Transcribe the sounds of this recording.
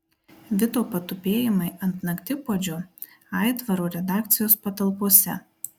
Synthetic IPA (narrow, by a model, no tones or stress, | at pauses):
ʋʲɪt̪oːpɐt̪ʊpʲeːjɪmɐɪʔɐnt̪nɐkt̪ʲɪpoːd͡ʒʲʊ | ɑˑɪt̪ʋɐɾoːɾʲɛd̪ɑːk̚t̪sʲɪjoːspɐt̪ɐlˠpoɔsʲɛ̰